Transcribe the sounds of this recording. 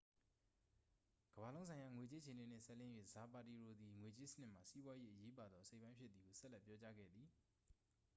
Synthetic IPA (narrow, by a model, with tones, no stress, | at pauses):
ɡ̥əba˨lõ˦ʊ̃sʰã˨ɪ̃ja˨ŋwe˨t͡ɕe˦ə˦e˨ne˨n̥ɪ̰̃˦˨sɛ˦ʔlɪ̃˦jwḛ˦˨za˨pa˨ti˨ɹo˨d̪ði˨ŋwe˨t͡ɕe˦sə̥˦nɪ˦ʔm̥a˨si˦bwa˦je˦ʔəje˦pa˨d̪ðɔ˦ʔəse˦˨pːã˦ɪ̃pʰjɪ˦t̪ði˨ɡo˨sɛ˦lɛ˦˨pjɔ˦t͡ɕa˦ɡɛ̰˦˨d̪ði˨